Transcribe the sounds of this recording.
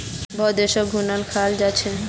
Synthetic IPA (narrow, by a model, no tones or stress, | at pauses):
bɔd̪eʃɔɡʱunalkʰald͡ʑat͡ɕʰe